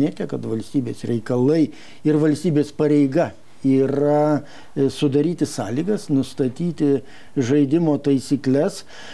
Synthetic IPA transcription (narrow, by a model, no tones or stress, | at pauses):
nʲeːt̪ʲɛkɐt̪ʋɐlʲsʲt̪ʲiːbʲeːsɾʲɛɪkɐlˠɐɪ | ɪrʋɐlʲsʲt̪ʲiːbʲeːspɐɾʲɛɪɡɐ | iːrɐ | sʊd̪ɐɾʲiːt̪ʲɪsɑːlʲiːɡɐsnʊst̪ɐt̪ʲiːt̪ʲɪ | ʒɐɪd̪ʲɪmoːt̪ɐɪsʲiːklʲɛs